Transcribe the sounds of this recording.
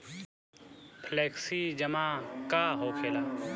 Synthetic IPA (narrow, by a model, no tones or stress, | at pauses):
pʰleːksid͡ʒəmakaɦoːkʰeːlaː